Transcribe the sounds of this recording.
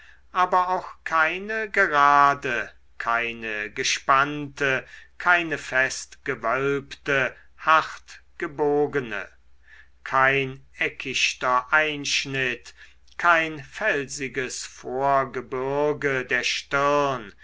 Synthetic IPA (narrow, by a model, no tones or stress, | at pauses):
ʔaːbɐaʊxkʰaɪnəɡəʁaːdə | kʰaɪnəɡəʃpantəkʰaɪnəfɛstɡ̥əvœlptə | haχtɡ̥əboːɡənə̰ | kʰaɪnɛkʰɪʃtɐʔaɪnʃnɪt | kʰaɪnfɛlzɪɡəsfoːɐɡəbɪɐɡədeːɐʃtɪʁn